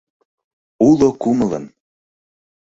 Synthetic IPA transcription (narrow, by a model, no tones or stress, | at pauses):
ulˠokumə̆lɤ̰̆n